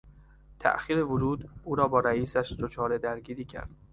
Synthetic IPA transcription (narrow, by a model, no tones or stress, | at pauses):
t̪ʰæ̰ʔxiːɾe̞voɾuːd̪uːɾɒːbɒːɾæiːsæʃd̪ot͡ʃʰɒːɾe̞d̪æɾɟiːɾiːcʰæ̰ɾd̪̥